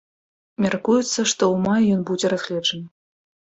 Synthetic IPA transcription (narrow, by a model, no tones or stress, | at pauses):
mʲɛrkujut̪sːɐʂt̪ɔumɑjɔnbud͡zʲɛrɐzxlʲɛʐən